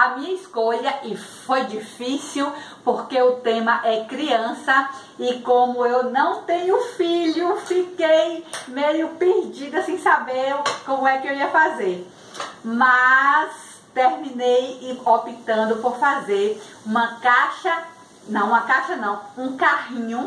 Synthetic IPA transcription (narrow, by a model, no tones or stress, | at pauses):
amĩɲɐiskoʎɐʔɪfojd͡ʒifisiwpoɾkeʊt̪ẽmɐʔɛkɾiɐ̃sɐ | ɪkõmʊewnɐ̃w̃t̪ẽɲʊfiʎʊfikejmejʊpeɾd͡ʒid̪ɐsẽj̃sabeɾkõmʊɛkɪewiɐfazeɾ | mɐs | t̪eɾmĩnejopit̪ɐ̃nd̪ʊpoɾfazeɾ | ũmɐkaʃɐ | nɐ̃w̃ũɐkaʃɐnɐ̃w̃ũkaɦĩɲʊ